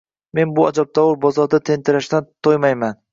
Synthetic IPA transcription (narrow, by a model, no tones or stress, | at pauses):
me̞nbʊad͡ʒɒb̚t̪ʰɒwʊɾbɒzɒɾd̪at̪ʰe̞nt̪ʰɪɾaʃd̪ant̪ʰojmajman